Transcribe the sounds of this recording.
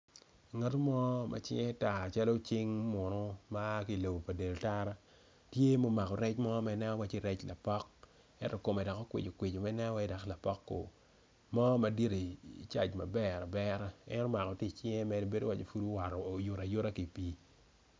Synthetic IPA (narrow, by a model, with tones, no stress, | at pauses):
ŋa˨to˦mɔ˦mʔa̰˨t͡ʃɪ˦ŋɛ˦ta˨t͡ʃa˦lo˦t͡ʃɪ˦ŋmo˨no˦ma˦ki˨lo˨bo˨pa˨de˨lta˦ɾa˦ | tje˦mo˦ma˨kɔ˨ɾɛ˦t͡ʃmɔ˦ma˦nɛ˦ɔ˦wa˦t͡ʃi˦˨ɾɛ˦t͡ʃla˨pɔ˦k̚ | ɛ˦ntɔ˨ko˨mɛ˨dɔ˨ko˦kwɪ̰˨d͡ʒo˨kwɪ˨d͡ʒo˨ma˦nɛ˦wa˦da˨kla˨pɔ˦kːo̰˨ | mɔ˦ma˨di˦ɾi˨t͡ʃa̰˨d͡ʒma̰˨bɛ˦˨ɾa˨bɛ˦ɾa˦ɛ̰˦no˦ma˨kɔ˨ti˦t͡ʃɪ˦ŋɛ˦mɛ˦dbe˦do˦wa˦t͡ʃe˦fu˦du˦wa˨ɾɔː˨jʊ˨ɾa˨jʊ˦ɾa˦ki˨pi˨˦